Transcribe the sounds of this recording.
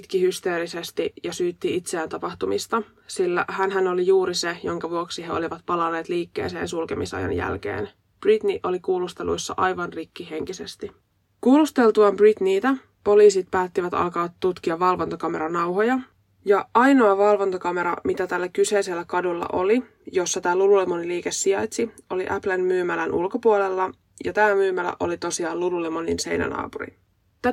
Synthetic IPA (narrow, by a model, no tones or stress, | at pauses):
t̪kihyst̪e̞ːɾise̞st̪ijɑsyːt̪ːiit̪seæːnt̪ɑpɑxt̪umist̪ɑ | silːæ̰hænɦæno̞lijuːɾise̞jo̞ŋkɑʋuoksiɦeo̞̰liʋɑt̪pɑlɑnːeːt̪liːkːe̞̰ːse̞ːnsulke̞misɑ̰jɑ̰njæ̰lk̟e̞̰ːn | b̥rit̪niʔo̞likuːlust̪e̞lṵjsːɑ̰ʔɑjʋɑnrikːiɦe̞ŋkise̞st̪i | kuːlust̪e̞lt̪uɑmbrit̪niːt̪æ | po̞liːsit̪̚pæːt̪ːiʋæt̪ɑ̰lkɑt̪ːut̪kiɑːɑlʋo̞nt̪okɑme̞̰ɾɑnɑwɦo̞jɑ | jɑʔɑjno̞ɑʋɑlʋo̞nt̪okɑme̞ɾɑ̰mit̪æt̪ælːækyse̞jse̞lːækɑdulːɑ̰ʔo̞li | jo̞sːɑt̪æːlululemo̞niliːke̞sːiɑjt̪sio̞liʔæplenmyːmælænʔṵlko̞puole̞lːɑ | jɑt̪æːmyːmælæ̰ʔo̞̰lit̪o̞siɑːlululemo̞ninse̞jnæ̰nɑ̰ːpuɾḭ | t̪æ